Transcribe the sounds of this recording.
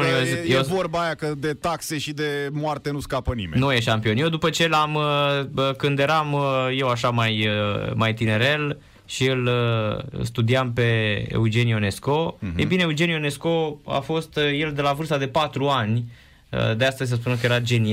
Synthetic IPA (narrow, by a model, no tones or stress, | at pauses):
jevorbajakəd̪e̞t̪akse̞ʃid̪emoart̪enuskapənimḛnujeʃampio̞njewd̪upət͡ʃe̞laməəkɨnd̪je̞ɾamje̞waʃamajəmajt̪ine̞ɾe̞l | ʃiɨl | ɨ̰st̪ud̪iampe̞ḛud͡ʒe̞nione̞sko̞ejbineeud͡ʒe̞nijone̞sko̞a̰fo̞st̪je̞ld̪e̞lavɨrst̪ad̪e̞pat̪ɾuanʲ | ə̰d̪east̪əzʲs̬əs̬punekəje̞ɾad͡ʒe̞ni